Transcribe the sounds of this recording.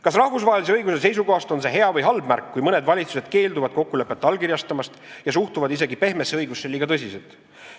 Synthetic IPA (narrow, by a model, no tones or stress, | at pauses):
kɑsrɑhvus̬vɑːelise̞ɤjɡus̬e̞s̬e̞js̬uko̞hɑst̪o̞nse̞ɦeɑvɤjɦɑlbmærkːujmɤne̞d̪vɑlʲit̪su̥se̞d̪̥ke̞ːld̪uvɑd̪̚ko̞kːule̞pːˑet̪ːˑɑlkiɾjɑst̪ɑmɑst̪jɑs̬uht̪uvɑd̪ise̞ɡipe̞hmeseɤjɡusːe̞liːɡ̥ɑt̪ɤs̬ʲise̞lt̪ˑ